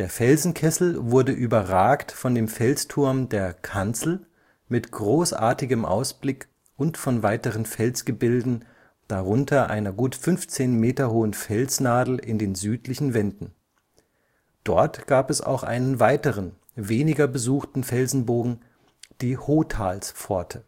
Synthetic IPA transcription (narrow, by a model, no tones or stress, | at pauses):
d̥eːɐfɛlzn̩kʰɛsl̩vʊɐdəʔyːbɐʁaːktfɔndeːmfɛlstʰʊɐmdeːɐkʰant͡sl̩ | mɪtɡ̥ʁoːsʔa̰ːɐtɪɡəmʔa̰ʊsb̥lɪk | ʔʊntfɔnvaɪtəʁənfɛlsɡ̥əbɪldn̩ | d̥aʁʊntʰɐʔa̰ɪnɐɡuːtfʏnft͡seːnmeːtɐhoːənfɛlsnaːdl̩ʔɪndeːnzyːtlɪçn̩vɛndn̩ | d̥ɔɐtɡ̥aːpɛsa̰ʊxʔa̰ɪnənvaɪtəʁən | veːnɪɡɐbəzuːxtn̩fɛlzn̩boːɡŋ̩ | d̥iːhoːtʰaːlsfɔɐtʰə